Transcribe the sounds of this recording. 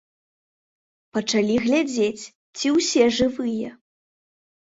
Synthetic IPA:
pɐt͡ʂalʲiɣlʲad͡zʲet͡sʲ | t͡sʲiwsʲɛʐɨvɨjɐ

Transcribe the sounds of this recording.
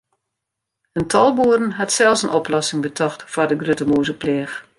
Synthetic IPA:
əntʰɔlˠbuədən̩ɦatsɛlˠsənʔɔplɔsɪŋbətʰɔxtfardəɡrøtəmuːzəplɛːx

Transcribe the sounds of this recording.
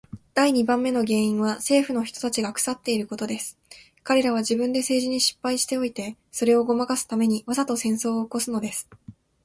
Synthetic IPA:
d̪̥aiɲ̟ibãmːe̞no̞ɡe̞ːĩɰ̃βase̞ːɸɯ̟no̞çi̥t̪o̞̥t̪at͡ɕiɡakɯ̥sat̪ːe̞iɾɯ̟ko̞t̪o̞d̪e̞sɨ̥ | kaɾe̞ɾaβ̞aʑibɯ̟̃nd̪e̞se̞ːʑiɲ̟iɕi̥pːaiɕi̥t̪e̞o̞it̪e̞ | so̞ɾe̞o̞ɡo̞makasɨ̥t̪ame̞ɲ̟iβasat̪o̞sẽ̞ɰ̃so̞ːko̞sɨno̞d̪e̞sɨ̥

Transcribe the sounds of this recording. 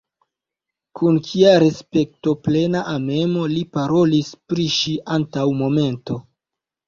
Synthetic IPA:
kʰunkʰiaɾe̞spe̞kto̞ple̞naʔame̞mo̞lipaɾo̞lispɾiʃiʔantawmo̞me̞nto̞

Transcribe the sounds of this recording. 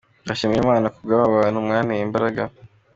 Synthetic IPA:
ɡaʃimiemaːnakubɡaβaβanumŋaːnijimbaɾaɡa

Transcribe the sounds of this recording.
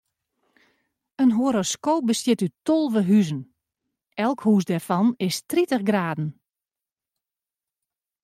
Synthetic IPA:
ənɦoəɾoskoːp̚bəsjɪtytolˠʋəɦyzən | ɛlˠkhuːsdɛrfɑnɪstritəχɡraːdn̩

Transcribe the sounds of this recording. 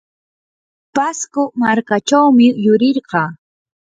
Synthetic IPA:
paskʊmaɾkaʈ͡ʂawmɪjʊɾɪɾɢɑː

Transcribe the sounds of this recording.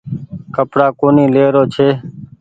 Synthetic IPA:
kəpɽaːkoːniːleːɾoːt͡ʃʰeː

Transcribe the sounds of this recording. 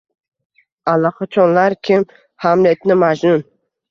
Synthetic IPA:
alˠɑqɑt͡ʃʰɒnlaɾkʲʰɪm | hamlet̪nɪmad͡ʒnʊn

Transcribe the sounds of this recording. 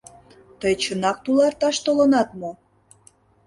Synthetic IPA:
t̪əjt͡ɕənɑk̚t̪ulɑrt̪ɑʃt̪olə̆nɑt̪mo

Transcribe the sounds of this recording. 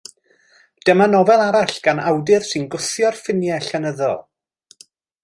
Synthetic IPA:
d̥ɛmanɔvɛlˠaɾaɬɡ̥anawdɨð̥sɨnɡʊθjɔrfɪnjɛɬɛnəðɔ̰lˠ

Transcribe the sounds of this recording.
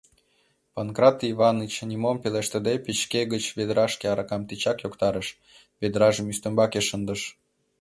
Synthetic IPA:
pɑnkrɑt̪iβɑnət͡ɕnʲimompeleʃt̪ə̆d̪epit͡ɕkeɣət͡ɕβed̪ɾɑʃkeɑɾɑkɑmt̪it͡ɕɑkjokt̪ɑɾəʃ | βed̪ɾɑʒə̆myst̪ə̆mbɑkeʃənd̪əʃ

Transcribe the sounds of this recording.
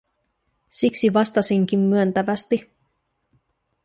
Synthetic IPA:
siksiʋɑst̪ɑsiŋk̟imːyønt̪æʋæst̪i

